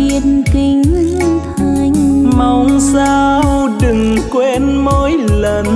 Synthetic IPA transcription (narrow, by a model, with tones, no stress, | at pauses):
i˧˩ənki˧ŋ̟lɨ˧ŋt̪ʰa˧˩jŋma˨˩wŋ͡mzaː˧wɗɨ˨˩ŋkwe˧nmo˧˦jlə˨˩n